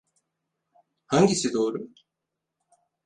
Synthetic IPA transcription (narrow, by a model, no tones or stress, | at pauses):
hãŋɡʲisid̪oːɾɯ